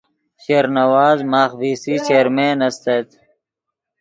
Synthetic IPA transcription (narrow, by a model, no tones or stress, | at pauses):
ɕeːɾnɐwaːzmaːxviːsiːt͡ʃeːɾmeːnɐst̪et̪